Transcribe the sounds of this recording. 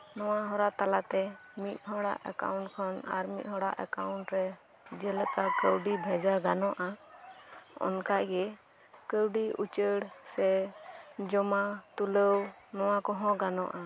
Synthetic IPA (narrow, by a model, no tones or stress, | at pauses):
nɔwaɦɔɾaʔt̪alat̪ɛ | mit̪̚ˀɦɔɽa̰ʔɛ̰ka̰wɳʈkʰɔna̰ɾmit̪̚ɦɔɽa̰ʔɛ̰kawɳʈɾɛ | d͡ʒɛləkakəwɖibʱɛd͡ʒaɡanɔʔa | ɔ̰nkaʔɡɛ | kəwɖiṵt͡ʃəɽsɛ | d͡ʒɔmat̪uləw | nɔwakɔɦɔ̃ɡanɔʔa